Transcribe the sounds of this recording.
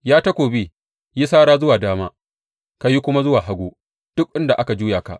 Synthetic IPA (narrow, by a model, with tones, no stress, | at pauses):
jaː˦tɐ˦kʷoː˨biː˦ | ji˦saː˦ɽaː˦zʊ˦waː˨daː˦maː˦ | ka˨ji˦kʷʊ˦ma˦zʊ˦waː˨ɦa˦ɡʷoː˦ | d̥ʊ˦k̚ʔɪ˦nda˨ʔa˦ka˨d͡ʒuː˦jaː˨ka̰˨ʔ